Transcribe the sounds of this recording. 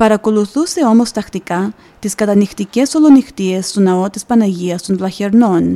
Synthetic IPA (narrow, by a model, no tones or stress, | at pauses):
paɾakoluθuse̞o̞most̪ɐxt̪ika | t̪iskɐt̪anixt̪icesolonixt̪iest̪onaot̪ispanaʝiɐst̪onlaçeɾnon